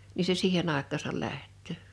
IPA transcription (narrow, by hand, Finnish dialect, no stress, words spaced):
ni se siːhen ɑˑekˑɑːsɑl læhtːøˑ